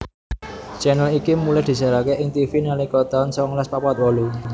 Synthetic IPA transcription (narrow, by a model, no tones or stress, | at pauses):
t͡ʃɛnəlikimulɛhd̪̥i̤saɾakeʔɪŋt̪ifinalikɔt̪ɔnsɔŋlɛspapat̪̚wɔlu